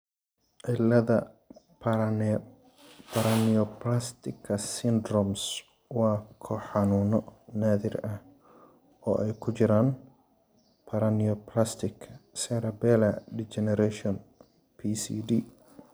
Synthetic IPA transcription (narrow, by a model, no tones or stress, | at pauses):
ʕɪlːɐðɐ | pʰ | pʰɐɾɐniɔplast̪ʰɪkʰːɐsɪnd̪ɾɔms | wɑːkʰɔħɑnuːnɔnaːðɪrɐh | ɔːʔɛjkʰʊt͡ʃɪɾaːn | pʰɐɾɐniɔpʰlast̪ʰɪkʰsɛɾɐbɛːlɐɖit͡ʃɛnɛɾɛʃɔn | pʰisḭdiː